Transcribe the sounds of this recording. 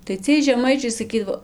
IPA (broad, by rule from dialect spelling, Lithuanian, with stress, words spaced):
tɐɪ ˈt͡sʲiɛj ʒʲɛˈmɐɪt͡ʃʲɛɪ sɐˈkʲiːdɐʋoː